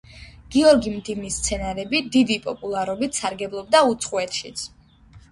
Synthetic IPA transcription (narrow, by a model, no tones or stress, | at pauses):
ɡ̥iɔɾɡimd̪ivnist̪sʰɛnaɾɛbid̪id̪ipʼɔpʼulˠaɾɔbit̪ʰsaɾɡɛblˠɔb̚d̪aut̪sʰχʼuɛt̪ʰʃit̪sʰ